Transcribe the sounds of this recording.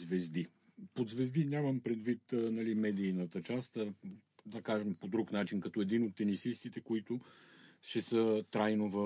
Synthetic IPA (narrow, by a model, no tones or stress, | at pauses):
zvɛzd̪i | pod̪zvɛzd̪iɲʲaməmpɾɛd̪vit̪nɐlimɛd̪iːnət̪ət͡ʃast̪ə | d̪ɐkaʒəmpod̪ɾuknat͡ʃinkɐt̪ɔɛd̪inot̪ːɛnisist̪it̪ɛkoit̪ʊʃɛsət̪ɾajnovə